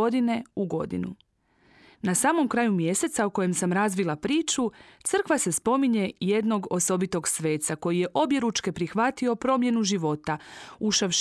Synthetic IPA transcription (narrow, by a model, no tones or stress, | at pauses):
o̞d̪ine̞uɡo̞̰d̪ḭnṵ | nasaːmo̞mkɾaːjumje̞se̞t̪sauko̞je̞msamɾazʋilˠapɾiːt͡ʃut̪sɨr̩kʋase̞spo̞miɲe̞je̞d̪no̞ɡo̞so̞bit̪o̞ɡsʋe̞ːt̪sako̞jije̞ʔo̞bje̞ɾut͡ʃke̞pɾixʋat̪io̞pɾo̞ːmje̞nuʒiʋo̞t̪auʃaʋʃ